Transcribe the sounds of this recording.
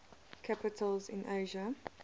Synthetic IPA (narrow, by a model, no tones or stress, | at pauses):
kʰapɪtʰəlzɪ̰̃nʔeɪʒə